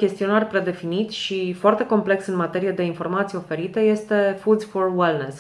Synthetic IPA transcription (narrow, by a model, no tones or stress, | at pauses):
kʲe̞st̪io̞narʲpɾe̞d̪e̞finit̪ʃifoart̪e̞ko̞mple̞ksɨnmat̪e̞ɾijed̪e̞info̞rmat̪sijofe̞ɾit̪əje̞st̪e̞fud̪fo̞rwelnes